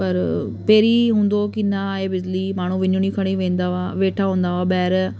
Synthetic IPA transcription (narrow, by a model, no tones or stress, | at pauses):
pəɾpeːɾiːɦʊ̃nd̪oːkɪnãːeːbɪd͡ʒliːmaːɳ̤̃ũːʋɪnuɳ̃iːkʰəɽ̃iːʋẽːnd̪aːʋaːʋeːʈʰaːɦõːnd̪aːʋaːbɛːɾ